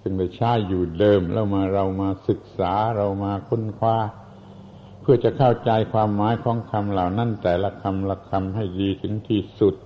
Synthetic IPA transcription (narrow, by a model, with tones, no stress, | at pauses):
sɯ˧˩ŋda˧˩jt͡ɕʰaː˧˥˩jːuː˨˩dɤː˧mlʔɛ̰ː˧˥˩wmaː˧ɾa˧wmaː˧sɯ˨˩k̚saː˩˦ɾa˧wmaː˧kʰo˧˥˨nkʰwaː˧˥˩ | pʰɯ˥˩ɐt͡ɕa˨˩kʰa˥˩wt͡ɕa˧jkʰwaː˧mːaː˨˦jkʰɔː˨˦ŋkʰa˧mlaː˨˩wna˥˩˨nt̪ɛː˨˩la˧˩kʰa˧mla˧˩kʰa˧mɦa˧˥˩jdiː˧t̪ʰɯ˩˦ŋt̪ʰiː˧˩su˨˩t̪̚